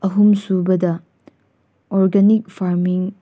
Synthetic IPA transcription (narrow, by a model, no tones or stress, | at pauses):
ɐɦumsubɐdɐ | ɔɾɡenik̚fʰaɾmiŋ